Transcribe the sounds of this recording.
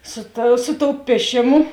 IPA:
ˈsʊ tɐ sʊ toːʊ ˈpʲiɛʃʲeːˌmʊ

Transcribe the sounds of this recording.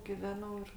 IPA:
ɡʲɪˈʋʲæːnɐʊ ɪr

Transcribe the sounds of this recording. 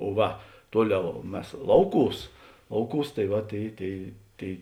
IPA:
oː ˈʋɐ ˈtuɔˌlʲɛʊ ˈmʲɛs ˈlˠɐʊˌkuːs ˈlˠɐʊˌkuːs tɐɪ ˈʋɐ ˈtʲeːɪ ˈtʲeːɪ ˈtʲeːɪ

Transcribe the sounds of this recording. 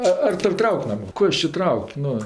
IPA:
ˈɐ ɐr ˈtoːrʲ ˈtrɐʊkʲ ˈmɐnʲ ˈkoː ɪs t͡ʃʲɪ ˈtrɐʊkʲ ˈnʊ

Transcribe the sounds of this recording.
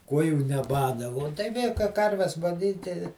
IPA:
ˈkuɔjuː nʲɛˈbɑːdɐ ʋoː tɐɪ ˈʋʲeː kɐɪ ˈkɐrʲʋʲɛs ɡɐˈnʲiːtʲɪ

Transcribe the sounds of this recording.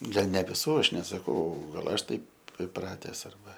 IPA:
ˈɡɐlˠ nʲɛ ʋʲɪˈsuː ˈɐʃ nʲɛsɐˈkɐʊ ɡɐlˠ ˈɐʃ ˈtɐɪp ɪˈprɑːtʲɛs ɐrˈbɐ

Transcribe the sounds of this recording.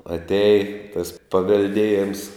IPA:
ɐtʲˈæːjɪ tɐs pɐʋʲɛlʲˈdʲeːjɛms

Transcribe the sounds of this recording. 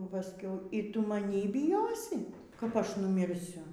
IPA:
pɐˈsʲkʲɛʊ iː ˈtʊ mɐˈnʲiː bʲɪˈjoːsʲɪ kɐp ˈɐʃ nʊmʲɪrʲˈsʲʊ

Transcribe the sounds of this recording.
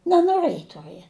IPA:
nʲɛnoːˈrɘjɪ tʊˈrɨɛ

